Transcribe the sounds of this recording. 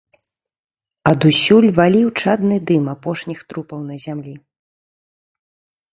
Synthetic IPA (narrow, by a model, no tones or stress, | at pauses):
ɐd̪usʲulʲvalʲiwt͡ʂad̪nɨd̪ɨmapɔʂnʲixt̪ɾupɐwnɐzʲamlʲi